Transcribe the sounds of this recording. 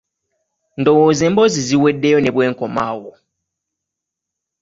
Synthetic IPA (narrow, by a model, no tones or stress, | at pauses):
n̩dɔwozɛ̃mbɔziziwɛdːejɔnɛ̃bwɛŋ̩kɔmawʊ